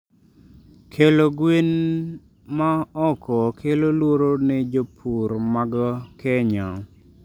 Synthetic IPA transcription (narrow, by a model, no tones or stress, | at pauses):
kʰeloɡwen | maɔkʰɔkʰelolwoɾonɛd͡ʒopʰuɾmaɡɔkɛɲɔ